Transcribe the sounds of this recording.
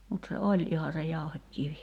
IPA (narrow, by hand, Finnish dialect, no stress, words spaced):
mut se olʲ ihɑ se jɑuhekːiʋi